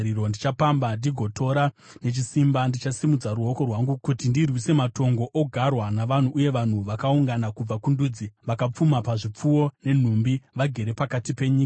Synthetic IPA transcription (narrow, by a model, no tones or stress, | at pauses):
iɾondit͡ʃapambadiɡʱo̞tʰo̞ɾa | ne̞t͡ʃisimbandit͡ʃasimud͡zaɾuo̞ko̞rwaŋɡukutindirwise̞mato̞ŋɡo̞ʔoɡʱarwanaʋan̤uʔːje̞ʋan̤uʋakauŋɡanakub͡vakunduːd͡ziʋakap͡fumapaʐip͡fuwo̞ne̞n̤umbiʋaɡʱe̞ɾe̞pakatipe̞ɲiːka